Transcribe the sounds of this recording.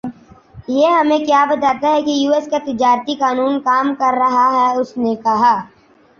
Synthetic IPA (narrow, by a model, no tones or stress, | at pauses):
jeɦɐmẽkjaːbɐt̪aːt̪aɦɛkijuːeskat̪ɪd͡ʒaːɾt̪ikaːnuːnkaːmkɐɾːɐɦaɦɛʊsnekɐɦaː